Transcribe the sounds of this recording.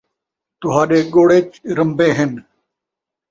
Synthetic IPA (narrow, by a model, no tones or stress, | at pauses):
t̪ʊɦaːɗeːɡoːɽeːt͡ʃɾəmbeːɦɪn